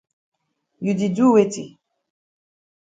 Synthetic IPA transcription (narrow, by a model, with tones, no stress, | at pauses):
ju˨di˨d͡ʒu˦we˦tḭ˨